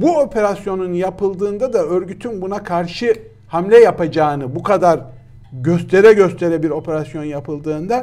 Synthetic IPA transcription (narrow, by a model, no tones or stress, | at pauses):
buopʰe̞ɾasjo̞nunjapɯlˠd̪ɯːnd̪ad̪aø̞ɾɟyt̪ʰynbunakʰaɾʃɯ | hamlʲɛjapad͡ʒaːnɯbukʰad̪aɾ | ɟøst̪ʰe̞ɾɛɟøst̪ʰe̞ɾɛbiɾo̞pʰe̞ɾasjo̞njapʰɯlˠd̪ɯːnd̪a